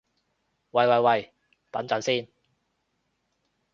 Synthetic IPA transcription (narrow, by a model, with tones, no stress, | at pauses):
wɐ˨jwɐ˨jwɐ˨˩j | t̪ɐ˨˥nt͡sɐ˨˥nsiː˥n